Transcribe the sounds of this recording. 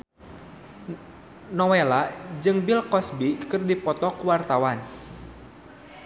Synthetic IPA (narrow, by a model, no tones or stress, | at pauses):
nɔwelad͡ʒɨŋbilkɔsbikɨrdipɔt̪ɔkuwart̪awan